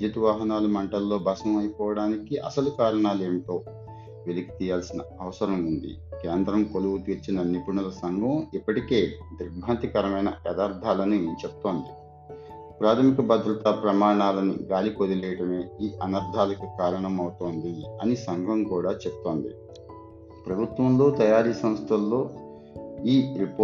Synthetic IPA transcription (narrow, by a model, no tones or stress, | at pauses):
d͡ʒɐt̪ʋaːɦɐnaːlumɐɳʈɐlːo̞ːbɐsɐmɐjɐpɔːʋɐɽaːnikiʔɐ̰sɐlukaːɾɐɳaːle̞ːmt̪o̞ː | ʋeliki̥t̪iːjaːlsinɐ̰ɐʋɐsɐɾɐmund̪ḭ | keːnd̪ɾɐmkoluwut̪iːɾt͡ʃinɐnipuɳulɐsɐŋɡʱɐmipːɐʈike̞ːd̪ɾibʱaːnt̪ikɐɾɐmɐjnɐjɛd̪aːɾd̪ʱaːlɐnit͡ʃebu̥t̪o̞ːnd̪i | pɾaːt̪ʰɐmikɐbɐd̪ɾɐt̪ɐpɾɐmaːɾɐɳaːlɐnḭɡaːlikod̪ilɛːjɐʈɐme̞ːiːʔɐnɐɾd̪ʱaːlɐkukaːɾɐɳɐmɐwut̪o̞ːnd̪iɐnisɐŋɡʱɐmkuːɽaːt͡ʃepu̥t̪o̞ːnd̪ḭ | pɾɐbʱut̪ʋɐmlo̞ːt̪ɐjaːɾiːsɐ̃mst̪ʰɐlːo̞ː | iːɾipː